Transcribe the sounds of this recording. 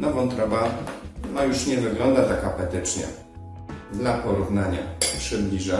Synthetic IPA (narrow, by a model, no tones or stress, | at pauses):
nɔvɔ̃w̃t̪ɾɔbanɔjuʂɲɛvɘɡlɔnd̪at̪akapɛt̪ɘt͡ʂɲɛ̰ | d̪lapɔɾuvnaɲapʂɘblʲiʐa